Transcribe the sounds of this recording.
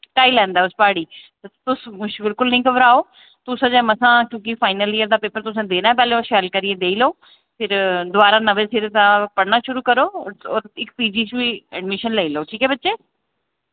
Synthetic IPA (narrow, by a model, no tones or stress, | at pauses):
ʈaːiːlɛ̃ːnd̪aːʊspaːɽiːt̪t̪ʊsʊʃbɪlkʊlnĩːkəʋɾaːoː | t̪ʊsãːd͡ʒɛ̃ːməsãːkjõːk̬ɪfʰaːɪnəliəɾd̪aːpeːpəɾt̪ʊsẽːd̪eːnaːpɛːlẽːoʃɛːlkəɾiẽːd̪eːiːloː | pʰɪɾd̪ʊaːɾaːnəʋeːsɪɾt̪ãːpəɽnaːʃʊɾuːkəɾoːoːɾɪkpiːd͡ʒiːt͡ʃʋiːɛɖmɪʃənlɛːiːloːʈʰiːkɛːbətːʃeː